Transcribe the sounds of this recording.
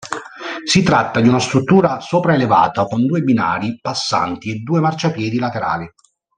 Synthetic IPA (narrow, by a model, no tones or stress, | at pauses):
sit̪ɾat̪ːad̪iunast̪ɾut̪ːuːɾasoːpɾaeleva̰ːt̪akond̪uːebina̰ːɾipasːa̰nt̪ied̪ːuːemart͡ʃapjɛːd̪ilat̪eɾa̰ːli